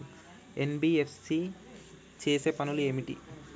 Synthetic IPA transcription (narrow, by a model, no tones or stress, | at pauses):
enbiːefʰsi | t͡ʃeːse̞ːpɐnulue̞ːmiʈḭ